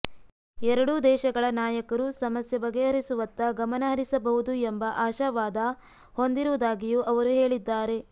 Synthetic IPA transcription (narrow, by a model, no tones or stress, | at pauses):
ɛɾɐɽud̪ɛːʃɐɡɐɭɐnaːjɐkɐɾusɐmɐsjɐbɐɡːeɦɐɾisuʋɐt̪ːɐɡɐmɐnɐɦɐɾisɐbɐɦud̪uembɐʔaːʃɐʋaːd̪ɐ | ho̞nd̪iɾuʋud̪aːɡijuʔɐʋɐɾuɦe̞ːɭid̪ːaːɾe̞